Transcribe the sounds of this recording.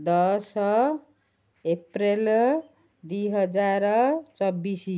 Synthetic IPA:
d̪ʌsʌ | eprel | d̪uɦʌd͡zaɾt͡sʌbːisi

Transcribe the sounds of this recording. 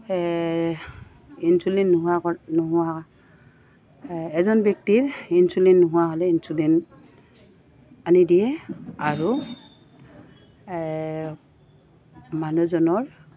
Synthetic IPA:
insulɛnːuɦʊanɔɦʊwa | ɛzɔnbjɔk̚tiɹinsulɛntːɔɦʊwaɦɔlɛinsulɛn | anidijɛaɹu | manuzɔnɔɹ

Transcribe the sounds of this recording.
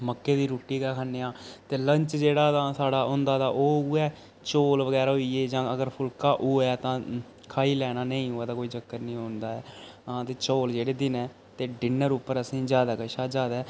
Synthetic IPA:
məkːeːd̪iːɾuːʈːiːkaːkʰaːnːeːãːt̪eːləɲt͡ʃd͡ʒeːɽaːt̪ãːsaːɽaːʊ̃ːnd̪aːd̪aːʔoːuɛː | t͡ʃoːlʋəɡɛːɾaːɦoiːeːd͡ʒãːəɡəɾpʰʊlkaːʔuːɛːt̪ãː | kʰaːiːlɛːnaːnəĩːʊːɛːt̪aːkoːiːd͡ʒəkːəɾnĩːɦoːnd̪aːɛːãːt̪eːt͡ʃoːld͡ʒeːɽeːd̪ɪnɛː | t̪eːɖɪnəɾʊpːəɾəsĩːd͡ʒjaːd̪aːkəʃaːd͡ʒaːd̪ɛː

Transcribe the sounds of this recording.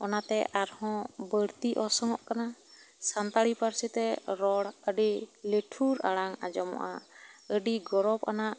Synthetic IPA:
ɔnat̪ɛʔaɾhɔ̃bəɽt̪iʔɔsɔŋɔʔkana | sant̪aɽipaɾsit̪ɛɾɔɽəɖileʈʰuɾa̰ɽaŋa̰d͡ʒɔmɔ̰ʔa̰əɖiɡɔɾɔp̚kanaʔ

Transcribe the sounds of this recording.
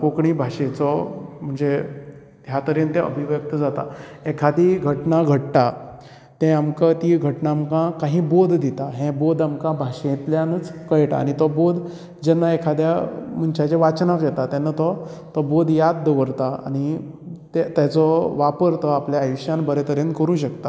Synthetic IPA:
kokɳibʱaɕẽt͡sɔm̤əɳd͡ze | t̪jat̪əɾent̪eə̰bʱiʋjək̚t̪əd͡zat̪a̰ekʰad̪iɡʱəʈnaɡʱəʈʈ̪a | t̪ɛ̃amkat̪iɡʱəʈnaːmkãkaɦĩːbod̪ʱd̪it̪aɦẽbod̪amkãbʱaɕẽt̪ljanət͡skəɭʈa̰a̰ñit̪ɔbod̪ | d͡ʑɛnːaekʰad̪jam̤əɳt͡ɕat͡ɕɛʋat͡ɕnãkjɛt̪at̪ɛnːat̪ɔ | t̪ɔbod̪ʱjad̪̚d̪əʋəɾt̪aa̰ñi | t̪et̪at͡sɔʋapəɾt̪ɔapljaːjuɕjanbəɾet̪əɾjenkəɾũːɕəkt̪a

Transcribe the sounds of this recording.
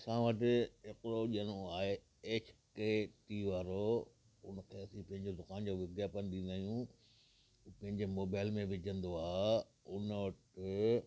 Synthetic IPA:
sãːʋəʈɪɦekɾoʄənoaːɦe | eːt͡ɕʰkeːʈiʋaːɾo | ʊnəkʰeːɐsĩpɐ̃ɦɪ̃ɲd͡ʑod̪ʊkaːnd͡ʑoːʋɪɡ̪jaːpənɗĩnd̪aːɦijũ | pɐ̃ɦɪ̃ɲd͡ʑemoːbaːɪlmẽʋɪd͡ʑʱə̃nd̪oaː | ʊnəʋɐʈɪ

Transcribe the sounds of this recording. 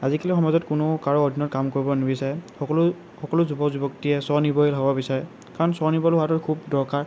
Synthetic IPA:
azikalixɔmazɔtkʊnʊkaɹɔːdʱinɔtkamkoɹibɔnibisaɹɛ | ɔl | xɔkɔlʊzubɔkzubɔktiɛsɔnibɔjilɦɔbɔbisaɹɛ | kaɹɔnsɔnibɔlatɔɹkʰubdɔɹkaɹ

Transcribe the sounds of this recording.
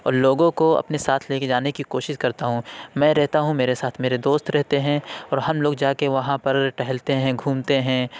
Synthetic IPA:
ɔ̰ːɾloːɡõkoɐ̰pnesaːt̪ʰleːked͡ʒaːnekikoːʃɪʃkɐɾt̪aɦũmɛ̃ːɾɛɦt̪aɦũmeːɾesaːt̪ʰmeːɾed̪oːst̪ɾɛɦt̪eɦɛ̃ɔːɾɦɐmloːɡd͡ʒaːkeʋɐɦãpɐɾʈɛɦɛlt̪eɦɛ̃ɡʱuːmt̪eɦɛ̃ː

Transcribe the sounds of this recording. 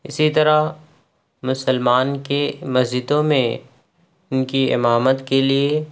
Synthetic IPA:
ɪsit̪ɐɾa | mʊsəlmaːnkemɐzd͡ʒɪd̪õmẽ | ʊnkiɪ̰maːmət̪kelie

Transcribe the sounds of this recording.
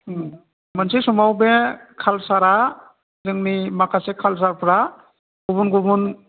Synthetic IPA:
mənsisumawbekʰalsaɾa | zɯŋnimakʰasekʰals̬aɾpʰɾa | ɡubunɡubun

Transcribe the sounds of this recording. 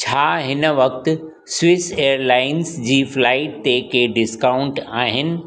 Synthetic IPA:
t͡ɕʰaːɦɪnə̆ʋɐk̚t̪ʊ̆ | sʋɪsejəɾlaːɪnsd͡ʑiːflaːɪʈ̚t̪ekeɖɪskaʊ̃ɳʈaːɦɪnɪ̆

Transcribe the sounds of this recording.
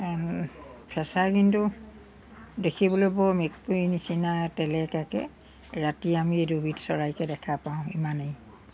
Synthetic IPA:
pʰɛsakintu | dekʰibɔlojbɔmek̚puinisinatɛlɛkakɛ̰ | ɹatiamiedubʱitsɔɹajkɛdɛkʰapaʊ̃imanej

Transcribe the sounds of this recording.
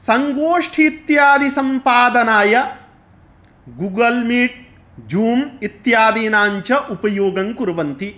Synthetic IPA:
sɐŋɡoːʂʈʰit̪jaːd̪isɐmpaːd̪ɐnaːjɐ | ɡuɡɐlmiːʈ̚ | d͡ʒuːmit̪jaːd̪iːnaːɲt͡ʃɐʔupɐjoːɡɐŋkuɾɐʋɐnt̪i

